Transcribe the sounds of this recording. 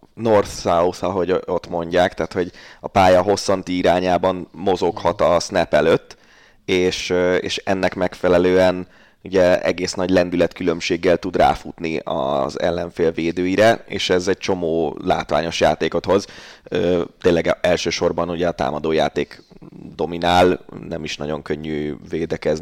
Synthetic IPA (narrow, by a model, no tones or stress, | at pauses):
no̞rt̪sausɒɦo̞ɟo̞t̪mo̞ɲɟaːkt̪ɛːt̪ho̞ɟɒpaːjɒɦo̞sːɒnt̪iiɾaːɲaːbɒnmo̞zo̞khɒt̪ɒsnɛpɛløt̪ː | eːʃøḛːʃɛ̰nːɛkmɛkfɛlɛløːɛn | uɟɛɛ̰ɡeːsnɒɟlɛnd̪ylɛt̪̚kylø̞mʃeːɡːɛlt̪ud̪ra̰ːfut̪niɒ̰zɛ̰lːɛɱfeːlveːd̪øːjiɾɛḛːʃɛzɛc̚t͡ʃo̞moːla̰ːt̪ʋa̰ːɲo̞ʃjaːt̪eːko̞t̪ho̞zøt̪eːnlɛɡɛlʃøːʃo̞rbɒnuɟɛɒt̪a̰ːmɒd̪oːjaːt̪eːkd̪o̞minaːlnɛmiʃnɒ̰ɟo̞ŋkøɲːyveːd̪ɛkɛz